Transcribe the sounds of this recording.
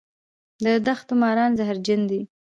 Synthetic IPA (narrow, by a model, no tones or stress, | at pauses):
d̪əd̪axt̪ʊmɑɾɑnzaɦɾd͡ʒand̪i